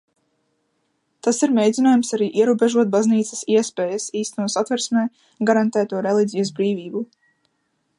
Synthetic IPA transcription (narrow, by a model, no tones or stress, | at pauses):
t̪asiɾmʲejd̪zʲinaːjumsaɾiːʔiɛɾuːbeʒuɔt̪̚bazniːt̪sə̥siɛspeːjəsiːst̪ɛnuːsat̪vɛɾsmɛː | ɡaɾant̪æːt̪uɔɾɛlˠidʲijɐszbɾiːviːbu